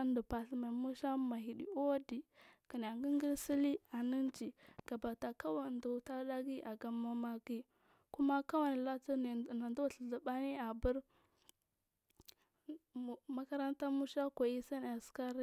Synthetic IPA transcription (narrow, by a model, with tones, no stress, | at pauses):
ndu˨pa˨ɬma˨mu˦ʃa˦ma˨ɦi˨ɗḭ˨o˦di˨ki˨n˨a˨ŋɡi˦ŋɡi˦ɾsi˦li˦a˨ni˦nd͡ʒi˨ɡ̥a˨ba˨ta˨ka˦wa˨du˨ta˦da˦ɡi˦ʔa˨ɡa˦ma˦ma˦ɡi˦ | ku˦ma˦ka˦wa˦ni˨la˦tu˦˨na˨ndu˦˨ɬə˨ɮə˨ba˦ni˦a˨bu˦ɾ | ma˦ka˦ɾa˦nta˦mu˦ʃa˦kʷa˨i˦sa˦n˨a˨ska˦ɾi˦